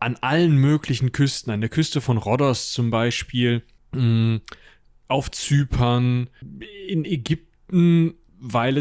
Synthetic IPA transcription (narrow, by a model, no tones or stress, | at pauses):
ʔanʔalənmøːklɪçn̩kʰʏstn̩andeːɐkʰʏstəfɔnʁɔdɐst͡sʊmbaɪʃpiːl | ʔaʊft͡syːpʰɐn | ɪneɡʏp̚tn̩ | vaɪlɛ